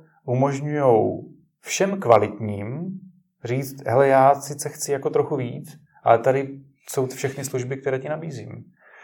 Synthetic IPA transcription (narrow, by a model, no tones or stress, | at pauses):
ʔumo̞ʒɲujow | fʃɛmkvalɪt̪ɲiːm | r̝iːt͡st̪ɦɛlɛjaːsɪt͡sɛxt͡sɪjakot̪ɾo̞xuviːt͡s | ʔa̰lɛt̪adɪ | so̞wt̪fʃɛxnɪsluʒbɪk̚t̪ɛɾɛːcɪnabiːzḭːm